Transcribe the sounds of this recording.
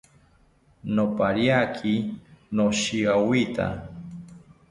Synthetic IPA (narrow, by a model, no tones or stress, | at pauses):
nopaɾjakʰinoʃiɣawit̪a̰